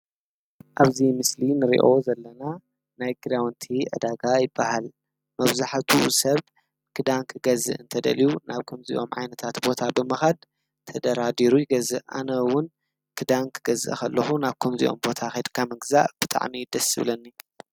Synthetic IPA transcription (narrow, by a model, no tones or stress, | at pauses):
ʔaβzimɨslinɨɾḭʔo̞zɐlːɐna | najɡɨɾawnt̪ʰiʔɨ̰d̪aɡajɪbːahal | mɐβzaħt̪ʰusɐβ | kʰɨd̪aŋkʰɨɡɐzɨ̰ʔɨnt̪ʰɐd̪ɐ̰lijunaβkʰɐmzḭʔo̞̰mʕa̰jnɐt̪ʰat̪bo̞t̪ʰabɨmɐxad̪ | t̪ʰɐd̪ɐɾad̪iɾujɪɡɐzɨʔʔa̰nɐwʊn | kʰɨd̪aŋkʰɨɡɐzɨ̰ʔkʰɐlːɐxunaβkʰɐmzḭʔo̞̰mbo̞t̪ʰaxed̪kʰamɐɡza̰ʔb̥ɨt̪ʼa̰ʕmid̪ɐsɨβlɐnːi